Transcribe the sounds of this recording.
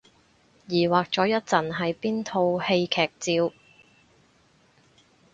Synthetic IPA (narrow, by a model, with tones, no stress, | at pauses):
jiː˨˩waː˨˩k̚t͡sɔː˨˧˥jɐ˥t̚t͡sɐ˨˩nɦɐ˨jpiː˥nt̪ʰo˧whe˧jkʰɛː˨˩k̚t͡siː˧w